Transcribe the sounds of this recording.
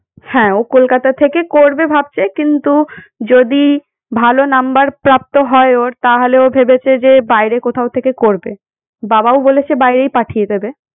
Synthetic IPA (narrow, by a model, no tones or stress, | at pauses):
hɛ̃okolkat̪at̪ʰekekoɾbebʱab̚t͡ɕʰekint̪ud͡ʑod̪i | bʱalonambaɾpɾap̚t̪oɦɔeoɾt̪aɦoleobʱebet͡ɕʰed͡ʑebajɾekot̪ʰaot̪ʰekekoɾbe | babaobolet͡ɕʰebajɾejpaʈʰijed̪ebe